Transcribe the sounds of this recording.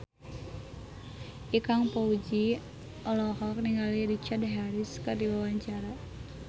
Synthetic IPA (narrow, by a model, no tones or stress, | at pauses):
ʔikaŋpaud͡ʒi | ʔɔlɔɦɔk̚niŋɡaliɾit͡ʃadɦaɾiskərdiwawaɲt͡ʃaɾa